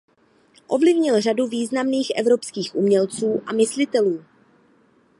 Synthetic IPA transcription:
ʔo̞vlɪvɲɪlraduviːznamniːxʔɛ̰vɾo̞pskiːxʔumɲɛlt͡suːʔamɪslɪt̪ɛluː

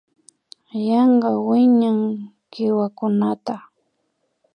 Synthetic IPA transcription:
jɑɴɢɑwɪɲaŋ | kɪwakʊnat̪a

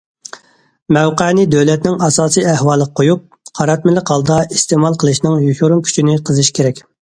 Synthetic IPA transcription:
mɛwqænɪd̪øwlɛt̪nɪŋɑsɑːsijæhwɑːlˠəqʰojup̚ | qʰɑɾɑt̪mɪlɪqhɑlˠd̪ɑist̪emɑlˠqʰəlˠɨʃnɪŋjukʲuɾuŋkʲʰy̥t͡ʃʰinɪqʰəzɨʃkʲʰeɾɛkʲ

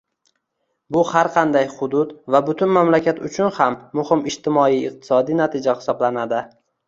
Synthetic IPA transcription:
bʊhaɾqʰɑnd̪ajχʊd̪ʊd̪vabʊt̪ʰʊnmamlakʲʰat̪ʊt͡ʃʰʊnhamːʊhɪmɪʃt̪ʰɪmɒijɪq̚t̪ʰɪ̥sɒd̪inat̪ʰɪd͡ʒahɪ̥sɒblanad̪ɪ

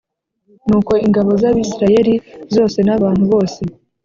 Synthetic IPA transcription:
nuːko̞iŋɡaβo̞zaβiːsiɾaje̞ɾizo̞ːse̞naβaːn̥huβo̞ːse̞

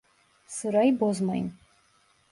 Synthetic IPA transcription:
sɨɾaibozma̰jn

